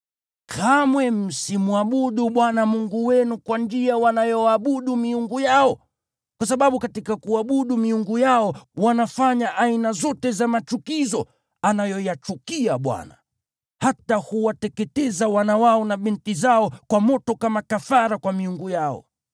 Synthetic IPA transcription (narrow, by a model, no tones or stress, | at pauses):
kʰamwɛmm̩simuaɓuɗuɓwanamuŋɡuwɛnukwand͡ʒiawanajɔaɓuɗumiuŋɡujaɔ | kwas̬aɓaɓukatikakuaɓuɗumiuŋɡujaɔwanafaɲaʔainazɔtɛzamat͡ʃukizɔ | anajɔjat͡ʃukiaɓwa̰na̰ | hatahuwatɛkɛtɛzawanawaɔnaɓintizaɔkwamɔtɔkamakafaɾakwamiuŋɡujaɔ̰